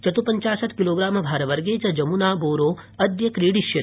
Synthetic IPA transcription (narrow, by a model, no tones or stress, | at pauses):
t͡ʃɐt̪upɐɲt͡ʃaːsɐt̪ʰkiloːɡɾaːmbʱaːɾɐʋɐɾɡeːt͡ʃɐd͡ʒɐmunaːboːɾoːɐd̪jɐkɾiːɽiʃjɐ